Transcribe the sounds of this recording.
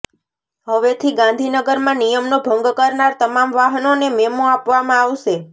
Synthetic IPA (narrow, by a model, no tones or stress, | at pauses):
ɦəʋet̪ʰiɡãnd̪ʱinəɡəɾmãnijəmnobʱəŋɡkəɾnaɾt̪əmamʋaɦənonememoapʋamãaʋʃe